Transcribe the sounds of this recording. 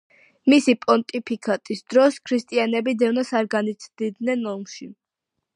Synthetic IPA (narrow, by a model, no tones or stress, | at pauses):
misipʼɔnt̪ʼipʰikʰat̪ʼisd̪ɾɔskʰɾist̪ʼianɛbid̪ɛvnasaɾɡanit̪sʰd̪id̪nɛnɔmʃi